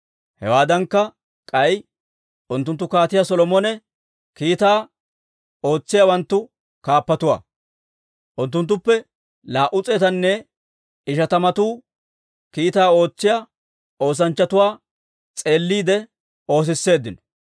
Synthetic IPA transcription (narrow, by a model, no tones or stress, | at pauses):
hɛ̰waːd̪ɐŋkːɐ | kʼɐj | ʔʊnt̪̬ːʊnt̪ːʊkaːt̪ɪjɐsɔlɔmɔnɛ | kiːt̪aː | o̞ːt͡sːɪjawɐnt̪ːʊ | kaːpːɐt̪ʊwa̰ː | ʔʊnt̪̬ːʊnt̪̬ːʊpːɛ | laːʔʊt͡sʼeːt̪ɐnːɛ | ɪʃɐt̪ɐmɐt̪uː | kiːt̪aːo̞ːt͡sːɪjɐ | o̞ːs̬ɐnt͡ʃːɐt̪ʊwaː | t͡sʼe̞ːlːiːd̪ɛ | o̞ːs̬ɪsːe̞ːd̪ːɪnɔ̥